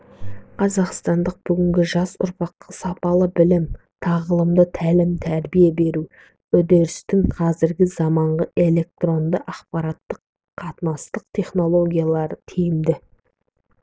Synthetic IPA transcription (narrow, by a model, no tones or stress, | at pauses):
qʰɑzɑqst̪ɑnd̪əq̚b̥ʏɡʲɪŋɡʲɪʒɑsʊ̰ɾpɑqːəsɑpɑlˠəbɪlɪm | t̪ʰɑʁəlˠəmd̪ət̪ʰælɪmt̪ʰæɾbijebe̞ɾu | ɵd̪e̞ɾɪst̪ɪŋqʰɑzɪɾɡʲɪzɑmɑɴʁəʔe̞le̞k̚t̪ro̞nd̪əʔɑqpɑɾɑt̪ːəqʰː | ɑt̪ənɑst̪əq̚t̪ʰʲe̞χno̞lˠo̞ɡʲijalˠɑɾət̪ʰijɪmd̪ɪ